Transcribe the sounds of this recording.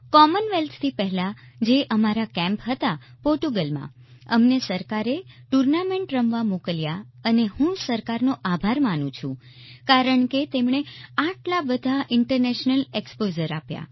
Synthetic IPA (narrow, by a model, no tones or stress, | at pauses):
kɔmənʋelt̪ʰt̪ʰipɛɦla | d͡ʒeʔəmaɾakɛ̃mpɦət̪apɔɾʈuɡəlmã̰ | əmnesəɾkaɾeʈuɾnamẽɳʈɾəmʋamokəlja | ənehũsəɾkaɾnoʔabʱaɾmanũt͡ʃʰṵ̃ | kaɾəɳket̪emɳ̃eaʈlabəd̪ʱaʔɪɳʈəɾnɛʃnəlekspod͡ʒəɾapja̰